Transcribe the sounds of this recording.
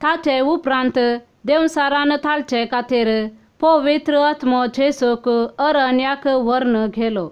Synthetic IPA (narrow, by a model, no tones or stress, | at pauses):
t̪ʰat͡ʃeupɾãnt̪ | d̪ew̃saɾanət̪ʰalt͡ʃɛkat̪ʰeɾ | pəʋit̪ɾəat̪mɔd͡ʒʱesokəɾənjakʋəɾnəɡʱɛlɔ